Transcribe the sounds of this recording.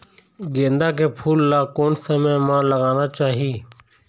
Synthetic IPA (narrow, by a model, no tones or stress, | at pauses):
ɡẽːnd̪aːk̬eːpʰuːlːaːkoːnsəmẽːmãːləɡaːnaːt͡ʃaːɦiː